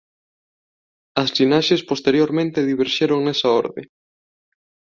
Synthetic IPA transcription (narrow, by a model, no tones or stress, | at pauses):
ɐslinaʃespost̪eɾjoɾmẽnt̪eðiβeɾʃeɾoŋnesɐo̰ɾðḛ